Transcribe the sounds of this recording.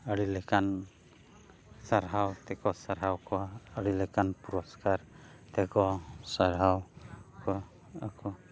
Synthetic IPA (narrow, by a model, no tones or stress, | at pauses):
əɽilɛkan | saɾɦawt̪ɛkɔsaɾɦawkɔəɽilɛkanpuɾɔskaɾt̪ɛkɔsaɾɦawkɔ | akɔ